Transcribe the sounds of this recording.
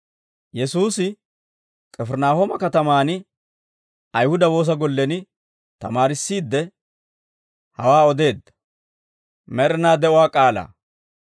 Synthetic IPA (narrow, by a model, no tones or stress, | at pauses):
jɛsuːsɪ | kʼɛfɛɾnaːhoːmɐkɐt̪ɐmaːnɪ | ɐjhʊd̪ɐwo̞ːs̬ɐɡɔlːɛnɪ | t̪ɐ̰maːɾɪsːiːd̪ːɛ | hɐwaːɔd̪e̞ːd̪ːɐ̥ | mɛɾɛnaːd̪ɛʔʊwaːkʼaːla̰ː